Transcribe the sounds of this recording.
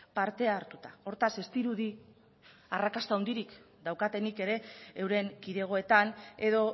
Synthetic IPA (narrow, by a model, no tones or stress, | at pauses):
paɾt̪e̞aɾt̪u̥t̪ao̞ɾt̪ase̞st̪iɾuði | arakast̪aownd̪iɾik | d̪awkat̪e̞nike̞ɾe̞ːwɾe̞ŋkiðe̞ɣ̞o̞e̞t̪ane̞ðo̞